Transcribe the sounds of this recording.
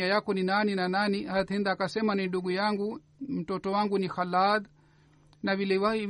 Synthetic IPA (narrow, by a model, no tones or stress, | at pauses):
ajakɔninaninananihat̪hɛnd̪akasɛmaninduɡujaŋɡu | m̩tɔtɔwaŋɡunixalad | navilɛwai